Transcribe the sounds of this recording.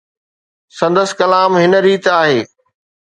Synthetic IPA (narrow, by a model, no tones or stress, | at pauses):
sɐ̃nd̪əskɐlaːmɦɪnəɾiːt̪aːɦeː